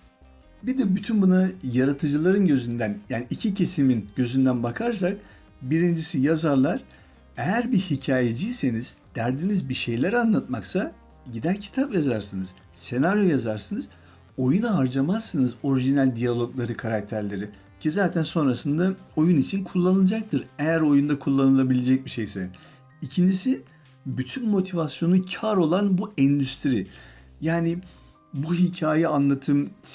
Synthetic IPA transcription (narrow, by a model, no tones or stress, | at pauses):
bid̪ɛbyt̪ʰynbunajaɾat̪ʰɯd͡ʒɯlˠaɾɯnɟø̞zynd̪ænjaːniːcʰicʰe̞siminɟø̞zynd̪ænbakʰaɾs̬ak̚ | biɾind͡ʒisijazaɾlˠaɾ̥ | ejæɾbihicʰaːje̞d͡ʒijse̞niz̥d̪̥æɾd̪inizbiʃe̞jlʲæɾanlˠat̪maksa | ɟid̪æɾcʰi̥t̪ʰapjazaɾsɯnɯz̥ | se̞naɾjo̞jazaɾsɯnɯz | o̞junaɦaɾd͡ʒamasːɯnɯzo̞ɾiʒinælʲd̪ijalʲˠo̞klˠaɾɯkʰaɾak̚t̪ʰæɾlʲe̞ɾi | cʰizaːt̪ʰænso̞nɾasɯnd̪ao̞junit͡ʃʰinkʰulˠːanɯnˠad͡ʒak̚t̪ʰɯɾejæɾo̞jund̪akʰulˠːanɯlˠabilʲed͡ʒɛc̚biʃe̞jsɛ | icʰind͡ʒisi | byt̪ʰynmo̞t̪ʰivasjo̞nucʰaɾo̞lˠanbuɛnd̪yst̪ʰɾi | jaːni | buɦicʰaːjaanlˠat̪ʰɯm